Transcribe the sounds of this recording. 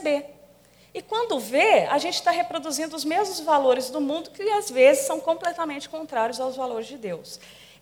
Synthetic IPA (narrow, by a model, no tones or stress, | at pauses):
be | ɪkwɐ̃nd̪ʊvea̰ʒẽnt͡ʃɪ̥st̪aɦepɾod̪uzĩnd̪ʊːzmezmʊzvaloɾɪzd̪ʊmũnd̪ʊkɪazvezɪsːɐ̃w̃kõplɛt̪amẽnt͡ʃɪ̥kõnt̪ɾaɾjʊzawzvaloɾɪzd͡ʒɪd̪ews